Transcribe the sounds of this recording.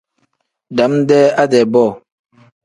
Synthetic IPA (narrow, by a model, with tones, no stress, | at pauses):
da˨˦mdɛ˦a˦dɛ˨bɔ˦˨